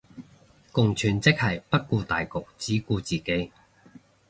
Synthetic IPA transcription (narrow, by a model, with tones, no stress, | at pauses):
kʊ˨ŋt͡ʃʰyː˨˩nt͡sɪ˥k̚hɐ˨jpɐ˥t̚kuː˧t̪a̰ː˨jkʊ˨k̚t͡siː˨˥kuː˧t͡siː˨ke˨˥j